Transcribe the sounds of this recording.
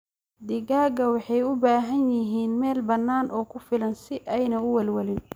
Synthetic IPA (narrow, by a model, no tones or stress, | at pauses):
d̪ɪɡaːɡɐwɑħɑjʊbaːɦɐnjɪɦiːnmɛːlbɐnːaːnʔɔːkʰʊfɪlɐnsɪʔɛjnɐʊwɛlwɐlɪn